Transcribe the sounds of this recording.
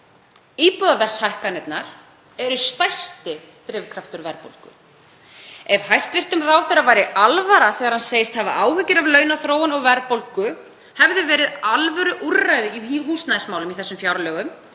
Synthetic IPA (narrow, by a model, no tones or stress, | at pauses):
iːpɔðavɛr̥shajhkanɛt̪naɾ̥ | ɛɾʏst̪ajst̪ɪ | t̪ɾɪvkʰɾaft̪ʏɾvɛɾpo̰wlkʏ̰ | ɛv̥hajst̪vɪr̥t̪ʏmraːwθɛrːavaːjɾɪʔalvaɾaθɛːɣaɾhanseːjɪst̪hɛva̰ʔaːwhʏcːɪɾavlœːɥnaθɾoːwanɔɣvɛɾpolkʏ | hɛvðʏvɛːɾɪðalvɛɾʏʔurːajðɪihɦuːst̪naðɪsmawlʏmiθɛsːʏmfjawɾalœːɣʏm